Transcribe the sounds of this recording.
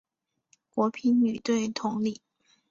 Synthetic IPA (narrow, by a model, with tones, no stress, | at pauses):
kwɔ˧˥pʰi˧˥nny˨˩t̪we˥˩ɪt̪ʰʊ˧˥ŋli˥˨˩